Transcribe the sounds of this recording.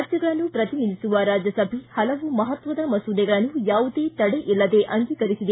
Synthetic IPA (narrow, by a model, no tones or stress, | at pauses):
ɾd͡ʒjɐɡɐɭɐnːupɾɐt̪ininisuʋɐɾaːd͡ʒjɐsɐbʱihɐlɐʋumɐɦɐt̪ʋɐd̪ɐmɐsud̪ɛɡɐɭɐnːujaːʋud̪e̞ːt̪ɐɽeʔilːɐd̪e̞ːʔɐŋɡikɐɾisid̪e